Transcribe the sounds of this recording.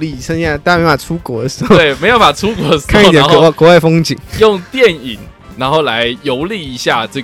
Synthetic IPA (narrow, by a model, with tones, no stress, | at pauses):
li˥˩˨ə˥˩t̪ːa˨˩u˥kwɔ˧˥d̪ə˧˦ʂɻ̩˧˥xo˥˧e˥˩me˧˥ɪjo˧˥ʊpa˨˩ʈ͡ʂʰu˥kwɔ˧˦˧kʰa˥˩ni˥˧t̪jɛ˨˧˦kwɔ˧˥wa˥˩ɪfo˥ŋt͡ɕi˨˩˦ŋjʊ˥˩ŋt̪jɛ˥˩ni˨˩˦n | na˧˥nxo˥˩ʊla˧˦ɪjo˧˥ʊli˥˩i˧˥ɕja˥˧ʈ͡ʂɤ˥˩